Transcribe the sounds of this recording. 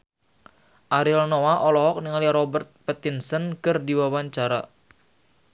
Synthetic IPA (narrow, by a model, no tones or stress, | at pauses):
ʔaɾilnowaʔɔlɔɦɔk̚niŋaliɾɔbərt̪̚pɛt̪insənkərdiwawaɲt͡ʃaɾa